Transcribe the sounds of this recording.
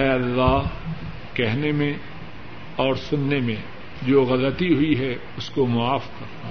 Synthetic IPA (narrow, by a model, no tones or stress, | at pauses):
ɦɛɐlːaɦ | kɛɦnemẽ | ɔːɾsʊnːemẽ | d͡ʒoːɣɐlət̪iɦʊiɦɛ | ʊskomʊaːfkɐɾt̪a